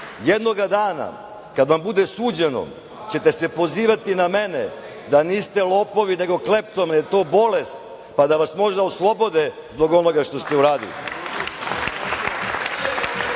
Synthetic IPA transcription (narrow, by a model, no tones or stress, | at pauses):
jed̪no̞ɡad̪aːna̰ | kad̪ʋambud̪e̞suːd͡ʑe̞no̰ | t͡ɕe̞t̪e̞se̞po̞ziːʋat̪iname̞nḛ | d̪aniːst̪elˠo̞ːpo̞ʋine̞ɡo̞kle̞p̚t̪omnet̪o̞ːbo̞lest̪ | pad̪aʋasmo̞ʒd̪aoslˠo̞bo̞d̪e | zbo̞ɡo̞no̞ɡaʂt̪o̞st̪e̞uɾaːd̪ḭlḭ